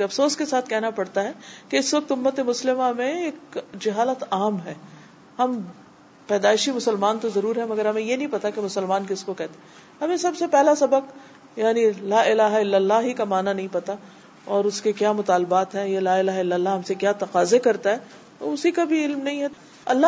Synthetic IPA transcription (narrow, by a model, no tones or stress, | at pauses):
eɐfsoːskesaːt̪ʰkɛɦnapɐɽt̪aɦɛːkeɪsʋɐk̚t̪ʊmːət̪emʊslɪmamẽeːk̚d͡ʒɐɦaːlət̪aːmɦɛː | hɐm | pɛːd̪aːɪʃimʊsəlmaːnt̪ozɐɾuːɾɦɛmɐɡəɾɦɐmẽjenɐɦĩpɐt̪akemʊsəlmaːnkɪskokɛːɦt̪e | ɦɐmẽsɐbsepɛɦlasɐbək | jaːnilaːɪlaːɦaɪlːəlːaːɦikamaːnanɐɦĩpɐt̪a | ɔːɾʊskekjaːmʊt̪aːlbaːt̪ɦɛ̃jelaːɪlaːɦɪlːɐlːaɦɐmsekjaːt̪ɐqaːzekɐɾt̪aɦɛː | t̪o̰ʊsikabʱiɪlmnɐɦĩɦɛ | ɐ̰lːa